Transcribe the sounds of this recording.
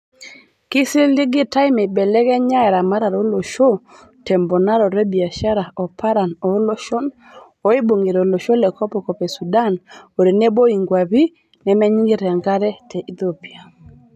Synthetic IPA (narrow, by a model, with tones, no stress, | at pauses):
kɪ˦si˦ldi˦ɡɪ˦ta˦ɪ˦mɛ˨bɛ˨lɛ˦ɡɛ˦ɲa˦ɛ˨ɾa˨ma˦ɾa˨ɾo˦lo˨ʃo˦ | tɛ˨mbɔ˨na˦ɾɔ˨ɾɛ˦bi˨a˨ʃa˦ɾa˨ɔ˨pʰa˦ɾa˨nɔ˨˦lo˦ʃo˦n | o˨i˦bo˨ŋɡe˨ɾo˨lo˨ʃo˦lɛ˨kɔ˦pɔ˨kɔ˨pɛ˨su˨da˦no˨ɾi˨ne˦bo˦i˨ŋɡwa˨βi˦ | nɛ˨mɛ˦ɲi˦ŋɡi˦ɾɛ˨ŋɡa˦ɾɛ˦tɛ˨ʔi˨t̪o˦pi˨a˨